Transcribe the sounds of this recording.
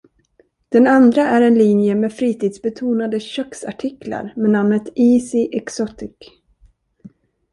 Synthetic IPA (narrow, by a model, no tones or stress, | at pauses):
d̪̥ɛnand̪ɾaʔæɾɛnlinjəmɛːfɾiːt̪ʰiːd̪sbɛt̪ʰuːnad̪əɕœksa̰ʈʰɪkʰla̰ɾmɛnamnət̪iːsɪʔɛksɔt̪ɪk